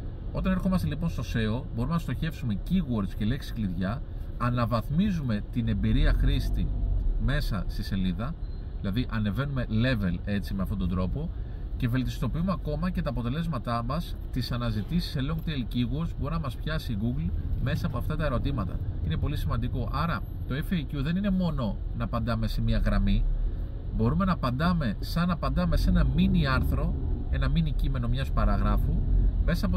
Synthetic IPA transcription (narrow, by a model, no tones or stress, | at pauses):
o̞t̪ɐnexo̞mɐst̪e̞lipo̞nst̪o̞se̞o̞bo̞ɾumenɐst̪o̞çe̞fsume̞ciɣoɾt̪scele̞ksi̥kliðʝɐː | nɐvɐθmizume̞t̪ine̞mbiɾiɐxɾist̪ime̞sɐst̪ise̞liðɐ | ðilɐðiʔɐne̞ve̞nume̞le̞ve̞le̞t͡simeɐft̪o̞t̪o̞nd̪ɾo̞po̞ | ce̞ve̞lt̪ist̪o̞piumeɐko̞mɐce̞t̪ɐːpo̞t̪e̞le̞zmɐt̪ɐmɐs | t̪isɐnɐzit̪isi̥seloŋɡ̚t̪elciɣuoɾzboɾinɐmɐspçɐsiɣuɡlme̞sɐːpo̞ɐft̪ɐt̪ɐe̞ɾo̞t̪imɐt̪ɐ̰ine̞po̞lisimɐnd̪iko̞ʔɐɾɐ | t̪o̞efɐjt̪uðe̞nine̞mo̞no̞nɐːpɐnd̪ɐme̞se̞miɐɣɾɐmi | bo̞ɾume̞nɐpɐnd̪ɐme̞sɐnɐpɐnd̪ɐme̞se̞nɐminiɐɾθɾo̞e̞nɐminicime̞no̞mɲɐspɐɾɐɣɾɐfume̞sɐːpo